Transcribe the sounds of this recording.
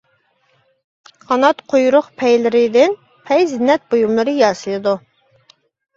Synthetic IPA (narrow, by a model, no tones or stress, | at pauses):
χɑnɑt̪qʰojuɾʊχpʰɛjlɪɾɪd̪ɪn | pʰɛjzɪnːɛt̪̚bojumlˠɨɾɨjɑːsɨlˠɨd̪u